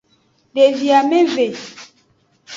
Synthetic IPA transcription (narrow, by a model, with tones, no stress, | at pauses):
ɖe˨vi˨a˨me˦ve˨